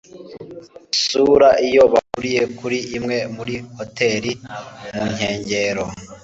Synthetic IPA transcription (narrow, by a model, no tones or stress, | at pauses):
suɾaʔijo̞βa̰kuɾije̞kuɾiʔːmŋe̞muɾiho̞te̞ɾimuɲhe̞ːɲɟe̞ɾo